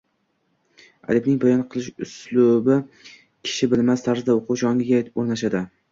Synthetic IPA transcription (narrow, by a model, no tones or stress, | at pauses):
a̰lɪbnɪŋbajɒnqʰɨlˠɪʃʊslˠʊbɪ | kʲʰɪ̥ʃɪbɪlmast̪ʰaɾzɪd̪aoqʰuʃɒŋɡʲɪɡʲaoɾnaʃ̬ad̪ɪ